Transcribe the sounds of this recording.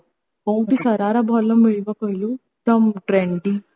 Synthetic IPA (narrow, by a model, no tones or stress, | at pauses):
kɐwɳʈisɐɾaːɾɐbʱɔlːɐmːeɭʋɐkɐjlu | fɾɐmʈɾeɳɖi